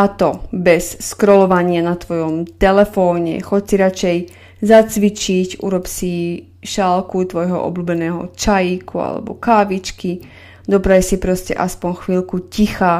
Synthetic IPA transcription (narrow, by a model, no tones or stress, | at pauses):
at̪ɔbɛsskɾɔlɔʋaɲɪanat̪ʋɔjɔmt̪ɛlɛfɔːɲɛ̰xɔcsiɾat͡ʃɛj | zat͡sʋit͡ʃicṵɾɔpsi | ʃalkut̪ʋɔjɦɔ̰ʔɔ̰bluːbɛnɛːɦɔ̰t͡ʃajikua̰lɛ̰bɔ̰kaːʋit͡ʃki | d̪ɔpɾajsipɾɔscɛ̰ʔaspɔɲxʋiːlkucixaː